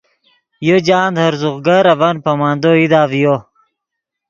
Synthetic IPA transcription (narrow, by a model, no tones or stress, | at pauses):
jod͡ʑaːnd̪hɐɾzuɣɡɐɾɐvɐnpɐmaːnd̪oid̪aːvjo